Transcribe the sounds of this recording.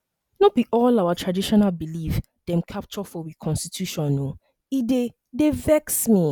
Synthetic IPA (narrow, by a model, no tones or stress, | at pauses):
nobiʔɔlawatʰɹadiʃɔnalbilif | d̥ɛ̃mkʰap̚t͡ʃɔfɔwikʰɔ̃nstitʰjuʃɔ̃no | ide | devɛksmi